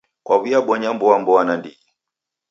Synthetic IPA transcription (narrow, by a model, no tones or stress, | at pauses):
kwaβiaɓɔɲambɔwambɔwanandiɛ